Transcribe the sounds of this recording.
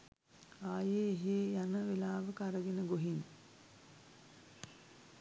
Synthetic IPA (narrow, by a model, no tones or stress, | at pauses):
aːjeːɦejanəʋelaːʋəkaɾəɡenəɡoɦin